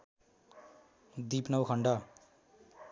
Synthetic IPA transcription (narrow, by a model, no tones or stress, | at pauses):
d̪ipnʌwkʰʌɳɖʌ